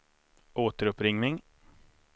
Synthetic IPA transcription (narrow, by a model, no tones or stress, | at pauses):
ʔoːt̪əɾɵpɾɪŋnɪŋ